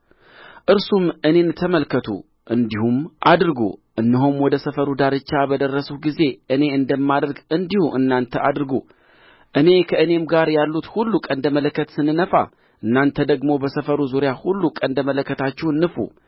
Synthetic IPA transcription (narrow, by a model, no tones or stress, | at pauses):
ʔɨɾsumɨne̞nːɨt̪ʰːəməlkʰːət̪ʰṵ | ʔɨnd̪ihumʔad̪ɾɡṵʔɨnːɨɦomwɔd̪əsəfəɾud̪aɾɨt͡ʃːabəd̪ərːəsuɡize̞ʔɨne̞ɨnd̪əmːad̪əɾɡɨnd̪ihuʔɨnːant̪ʰəʔad̪ɾɡu | ʔɨne̞kʰəɨne̞mɡaɾjalːut̪hulːukʼənd̪əmələkːət̪sɨnːɨnəfa̰ | ʔɨnːant̪ʰəd̪əɡmo̞bəsəfəɾuzuɾjahulːukʼənd̪əmələkːət̪ʰat͡ʃːɛwnːɨfṵ